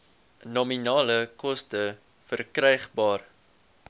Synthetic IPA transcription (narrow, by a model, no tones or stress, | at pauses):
nɔminɑːləkɔstə | fərkrɛjχbɑːr